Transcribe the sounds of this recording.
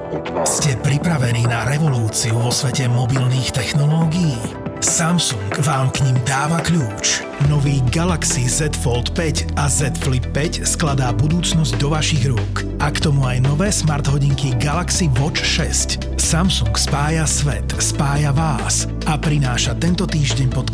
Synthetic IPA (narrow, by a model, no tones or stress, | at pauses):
ɔscɛpɾipɾaʋɛniːnaɾɛʋɔluːt͡siuʋɔsʋɛcɛmɔbilniːxt̪ɛxnɔlɔːɡijiː | samsuŋɡʋaːmkɲimd̪aːʋakʎuːt͡ʃ | nɔʋiːɡalaksizɛt̪fɔlt̪pɛcazɛt̪flipːɛcsklad̪aːbud̪uːt͡snɔzɟd̪ɔʋaʃiɣɾʊɔk | ʔakt̪ɔmuajnɔʋɛːsmaɾd̪ɦɔɟiŋkiɡalaksiʋɔt͡ʃʃɛsc | samsuŋkspaːjasʋɛ̰t̪spaːjaʋaːs | apɾinaːʃat̪ɛnt̪ɔt̪iːʒɟɛɲpɔt̪